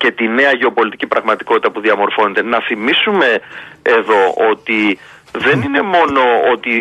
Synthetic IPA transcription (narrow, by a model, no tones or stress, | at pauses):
ce̞t̪ine̞ɐʝeo̞po̞lit̪icipɾɐɣmɐt̪i̥ko̞t̪i̥t̪ɐpuðiɐmo̞ɾfo̞ne̞t̪e̞nɐθimisume̞eðo̞ot̪i | ðe̞nine̞mo̞no̞o̞t̪i